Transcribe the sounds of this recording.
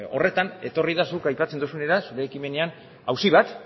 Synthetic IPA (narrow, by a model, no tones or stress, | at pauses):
o̞̰re̞t̪ane̞t̪o̞rið̞asukajpat͡se̞nd̪usune̞ɾasuɾe̞ːkime̞ne̞an | awsiβ̞at̪